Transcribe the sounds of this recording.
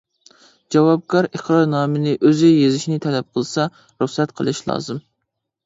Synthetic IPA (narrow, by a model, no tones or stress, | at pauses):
d͡ʒɑwɑb̚kʰɑɾeχɾɑɾnɑːmɨnɪʔøzɪjezɪʃnɪt̪ʰɛlɛp̚qʰəlˠsɑ | ɾuχsɛt̪qʰəlˠɨʃlˠɑ̰ːzɨm